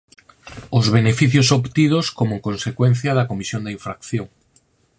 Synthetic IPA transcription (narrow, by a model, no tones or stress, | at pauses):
ʊzβenefiθjosopt̪ið̞oskomokonsekwenθjɐðɐkomisjõnd̪eiɱfɾakθjoŋ